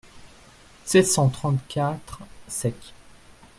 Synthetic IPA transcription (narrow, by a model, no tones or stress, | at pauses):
sɛt̪sɑ̃t̪χɑ̃t̪kʲat̪χsɛkʲ